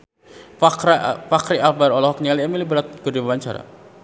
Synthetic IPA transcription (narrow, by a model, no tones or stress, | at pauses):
fakɾiabaɾɔlɔɦɔk̚ɲialiamilibəɾat̪̚kədibabaɲt͡ʃa̰ɾa̰